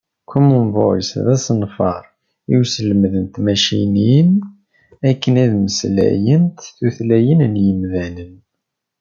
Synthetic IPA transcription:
kʰːumumvoɾḭsðæsənfɑɾˤ | iwsələmðənt̪mæʃinin | ækːənæðməslæ̰jənt̪θuθlæjənənjəmðænən

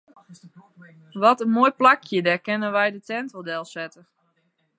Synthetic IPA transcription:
ʋɔtənmoːjplakʰjədɛkɪnənʋɛjdətɛntodɛlˠsɛtə

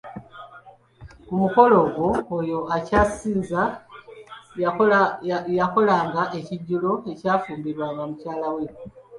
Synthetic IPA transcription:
kumuko̞lo̞ɡoːjo̞acasiːza | jako̞laːŋɡaʔe̞ciɟːulo̞e̞caːfuːmbiɾwaːŋɡamucaːlawe

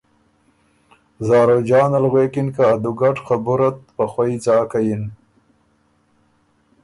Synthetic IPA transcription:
zɑːɾod͡ʒɑːnalɣweːkɪnkaːd̪uɡaʈxabuɾat̪̚paxwait͡sɑːkajin

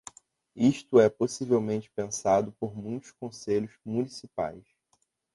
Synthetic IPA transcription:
iʃt̪ʊɛposivewmẽnt͡ʃɪ̥pẽsad̪ʊpoɾmũj̃t̪ʊ̥ʃkõseʎʊʃmunisipa̰js

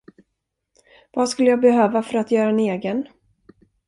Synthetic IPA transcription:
vaskɵlːəjaːbɛɦøːvafœɾat̪jœːɾaɛneːɡən

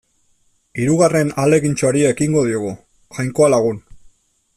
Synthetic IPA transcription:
iɾuɣare̞nale̞ɣint͡ʃoaɾiaekiŋɡo̞ð̞ioɣ̞u | ʝajŋko̞alaɣ̞un

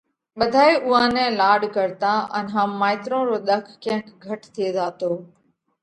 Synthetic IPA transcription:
ɓəd̪ʱaːeːʊãːnɛ̃ːlaːɖkəɾt̪ãːʔə̰nɦãːmaːɪt̪ɾõːɾoːɗ̪əkʰːɐ̃ɦə̃kɡʱəʈt̪ʰieːzaːt̪oː

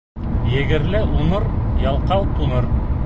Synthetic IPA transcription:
jɘ̆ɡɘ̆ɾlɘʔunɤɾjɑlˠqɑwt̪unɤɾ

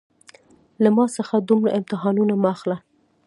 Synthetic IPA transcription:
lamɑsəxad̪umɽa̰ʔɪmt̪ɪɦɑnunamaxla

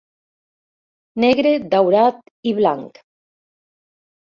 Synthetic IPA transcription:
neɣɾed̪awɾat̪ | iβlaŋk

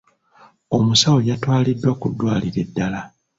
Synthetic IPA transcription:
o̞musawojatwaːlidːwakudːwaːliɾe̞dːala

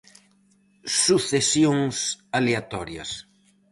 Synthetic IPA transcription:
suθesjoŋsaleat̪ɔɾja̰s

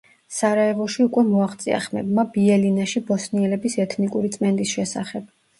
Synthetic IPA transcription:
saɾaɛvɔʃiukʼwɛmɔaχt̪sʼḭa̰χmɛ̰bmabiɛlinaʃibɔsniɛlɛbisɛt̪ʰnikʼuɾit̪sʼmɛnd̪ʼisʃɛsa̰χɛb̥̚

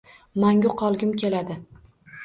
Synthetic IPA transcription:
maŋʲʊqʰɒlˠɡʲɪmkʲʰe̞lad̪ɪ

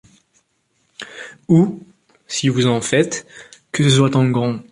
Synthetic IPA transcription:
u | sivuzɑ̃fɛt̪kəswat̪ɑ̃ɡʁɔ̃

